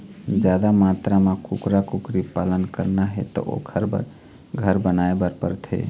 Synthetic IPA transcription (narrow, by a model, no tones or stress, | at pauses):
d͡ʒad̪amat̪ɾamekukɾakukɾipalənkəɾnaɦet̪ɔ̰ʔo̰kʰəɾbə̰ɾ | ɡʱəɾbənaebəɾpə̰ɾt̪ʰḛ